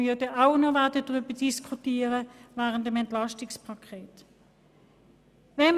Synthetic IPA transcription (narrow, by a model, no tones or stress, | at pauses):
ydəʔaʊnɔvɛɐdədʁybəd̥iskʰutiːəʁəvɛːʁəntəmɛntlɑʃtɪkspʰakʰɛːt | vɛn